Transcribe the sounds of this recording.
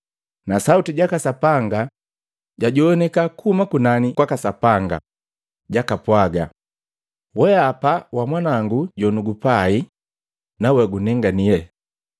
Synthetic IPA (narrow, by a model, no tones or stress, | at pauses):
nasautiɟakasapaŋɡa | ɟaɟɔɔnɛkakuhumakunanikwakasapaŋɡa̰ | ɟakapwaɡa̰ | wɛapawamwanaŋɡuɟɔnuɡupai | nawɛɡunɛŋɡanijɛ